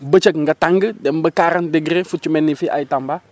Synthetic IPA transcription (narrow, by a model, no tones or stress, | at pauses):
bət͡ʃəkŋɡataŋɡədɛmbəkaɾəndeɡɾefut͡ʃumɛnːifiʔa̰jtamba